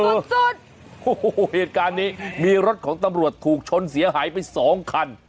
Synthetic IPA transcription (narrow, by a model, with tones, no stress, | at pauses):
u˨˩t̪̚ | u˧˩heː˨˩t̪̚kaː˧nːiː˦˥miː˧ɾo˦˥t̪̚kʰɔː˩˦ŋt̪a˧mɾu˨˩ət̪ʰːuː˨˩k̚t͡ɕʰo˧nsi˨˩˦ɐɦaː˩˦jpa˧jsɔː˩˦ŋkʰa˧n